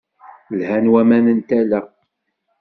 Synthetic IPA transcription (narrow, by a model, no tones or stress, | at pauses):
lhænwæmænənt̪ælæ